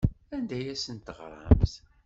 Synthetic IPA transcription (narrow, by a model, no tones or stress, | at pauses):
ænd̪æjæsənt̪əʁɾˤə̰mθ